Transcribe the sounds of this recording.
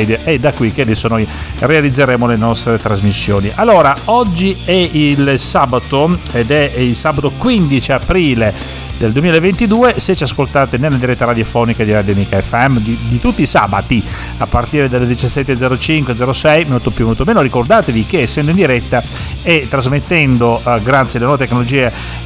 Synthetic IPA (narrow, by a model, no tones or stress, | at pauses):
d̪ʔɛd̪akwikːead̪ɛsːonojrealid̪zːeɾeːmolenɔst̪ɾet̪ɾazmisːjo̰ːniʔalːoːɾaɔd͡ʒːiɛilsaːbat̪oed̪ɛilsaːbat̪okwind̪it͡ʃiapɾiːle | d̪eld̪uemiːlaevent̪id̪uːeset͡ʃːiaskolt̪aːt̪enelːad̪iɾɛt̪ːaɾad̪jofɔːnikad̪iɾad̪jomikaɛfːɛmd̪id̪it̪ut̪ːiːsa̰ːbat̪i | apːart̪iːɾed̪aled̪it͡ʃasːɛt̪ːed̪ɛːɾot͡ʃiŋkwed̪zɛɾosɛjmolt̪opjumolt̪omeːnoɾikord̪aːt̪evikesːɛnd̪oind̪iɾɛt̪ːa | ɛt̪ːɾazmet̪ːɛnd̪oɡɾat̪sjalenɔːvet̪ekːnolod͡ʒiːe